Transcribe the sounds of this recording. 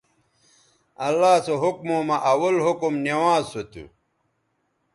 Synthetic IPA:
ɐlːaːsoɦuk̚moːmɐʔɐwɐlɦukumnewãːzsot̪ṵ

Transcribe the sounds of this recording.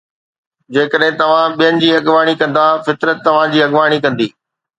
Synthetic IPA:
d͡ʑeːkəɗɦɪ̃t̪ɐʋ̤ãɓijənɪ̆d͡ʑiːɐɠʋaːɽ̃ikɐ̃nd̪afɪt̪ɾət̪ːɐʋ̤ãd͡ʑiːɐɠʋaːɽ̃ikɐ̃nd̪iː

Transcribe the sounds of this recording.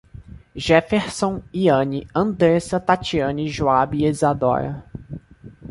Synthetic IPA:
ʒɛfeɾsõiɐ̃niɐ̃nd̪ɾesɐt̪at͡ʃiɐ̃niʒoabiezad̪ɔ̰ɾɐ̰

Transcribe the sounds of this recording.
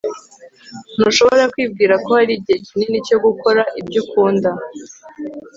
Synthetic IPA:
n̥uʃo̞βo̞ɾakwiːb̚ɡiːɾako̞haɾiːb̚ɟihecininico̞ɡuko̞ɾaʔibɟukuːnda

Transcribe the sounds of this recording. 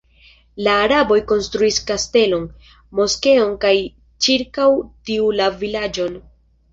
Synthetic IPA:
laːɾabo̞jko̞nstɾuiskaste̞lo̞n | mo̞ske̞o̞nkaj | t͡ʃiɾkawtiulavilad͡ʒo̞n

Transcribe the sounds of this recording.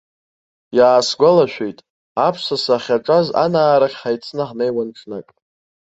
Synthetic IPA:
jaːsɡʷalaʃᶣejtʼ | apʰsasaχʲaʈ͡ʂʼaza̰naːɾaχʲħajt͡sʰnɨħnejwanʈ͡ʂʰnakʼ

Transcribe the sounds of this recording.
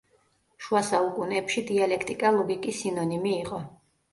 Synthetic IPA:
ʃuasaukʼunɛpʃid̪ialɛkʰt̪ʼikʼalˠɔɡikʼisinɔnimiːʁɔ

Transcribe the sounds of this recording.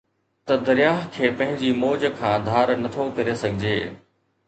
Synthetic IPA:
t̪ɐd̪ɐɾjaːɦkʰeːpɐ̃ɦɪ̃ɲd͡ʑimoːd͡ʑəkʰãːd̪ʱaːɾnɐt̪ʰokɐɾesɐɡʱɪd͡ʑḛː

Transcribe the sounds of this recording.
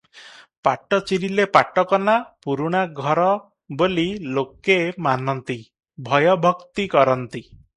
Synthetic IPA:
paʈɔt͡ʃiɾilepaʈɔkɔnapuɾuɽ̃aɡʱɔɾɔ | bolilokemanɔnt̪i | bʱɔjɔbʱɔkt̪ikɔɾɔnt̪i

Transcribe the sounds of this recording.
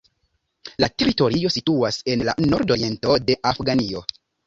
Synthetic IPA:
late̞ɾito̞ɾio̞situase̞nla̰no̞ɾdo̞ɾie̞nto̞de̞ʔafɡanio̞

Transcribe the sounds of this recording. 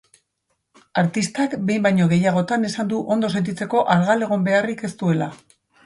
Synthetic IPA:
aɾt̪ist̪akbe̞jmbajɲo̞ɣ̞e̞jaɣ̞o̞t̪ane̞sand̪uʔo̞nd̪o̞set̪̬it͡se̞ko̞ʔaɾɣale̞ɣ̞o̞mbe̞arike̞st̪ue̞la̰

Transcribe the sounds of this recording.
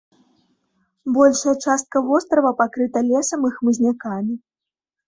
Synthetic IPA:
bɔlʲʂɐjɐt͡ʂast̪̚kɐvɔst̪ɾɐvɐpakɾɨt̪ɐlʲɛsɐmɨxmɨzʲnʲakamʲi

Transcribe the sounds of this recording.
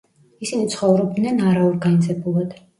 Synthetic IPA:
isinit̪sʰχɔvɾɔb̚d̪nɛnaɾaɔɾɡanid̪zɛbulˠad̪̥

